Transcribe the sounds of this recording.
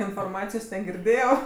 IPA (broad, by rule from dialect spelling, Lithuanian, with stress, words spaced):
ɪnfoːrˈmɑːt͡sʲɪjoːs nʲɛɡʲɪrʲˈdʲeːjɛʊ